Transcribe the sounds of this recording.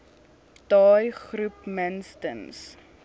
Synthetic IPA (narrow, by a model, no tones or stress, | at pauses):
tɑːjχrupmənstə̰ns